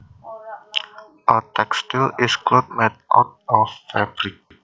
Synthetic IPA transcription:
ʔət̪ɛkst̪ilɪsklot̪̚mɛt̪̚ʔɔ̰t̪̚ɔfːɛbɾik̚

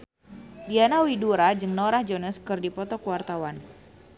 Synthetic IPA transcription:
dianawiduɾad͡ʒɨŋnoɾahd͡ʒɔnəskɨrdipɔt̪ɔkəwart̪awan

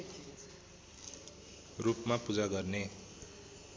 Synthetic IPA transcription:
rupmapud͡zaɡʌrne

